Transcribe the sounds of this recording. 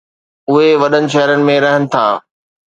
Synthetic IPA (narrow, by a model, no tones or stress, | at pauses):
ʊɦeʋɐɗənɪ̆ʃ̬ɐɦəɾənɪ̆mẽɾɐɦənɪ̆t̪ʰaː